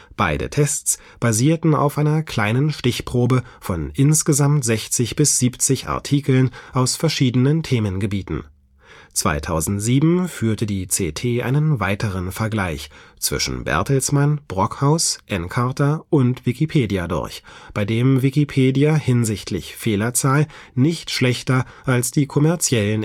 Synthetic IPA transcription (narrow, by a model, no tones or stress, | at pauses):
b̥a̰ɪdə̰tʰɛst͡s | b̥aziːɐtn̩a̰ʊfʔaɪnɐkʰl̥aɪnənʃtɪçpʁ̥oːbəfɔnʔɪnsɡ̥əzamtz̥ɛçt͡sɪçb̥ɪsz̥iːpt͡sɪçʔa̰ɐtʰiːkl̩nʔaʊsfɛɐʃiːdənəntʰeːmənɡəbiːtn̩ | t͡sv̥a̰ɪtʰaʊzn̩tz̥iːbm̩fyːɐtədiːt͡sḛːtʰeːʔa̰ɪnənvaɪtəʁənfɛɐɡlaɪçt͡sv̥ɪ̰ʃn̩bɛ̰ɐtəl̩smanb̥ʁɔkhaʊsʔɛnkʰaɐtɐʔʊntv̥ɪkipʰeːdiadʊ̰ɐçb̥aɪdeːmvɪkipʰeːdiahɪnzɪçtʰlɪ̰çfeːlɐt͡saːl | nɪçtʃlɛçtɐ | ʔalsd̥iːkʰɔmɛɐt͡sjɛlən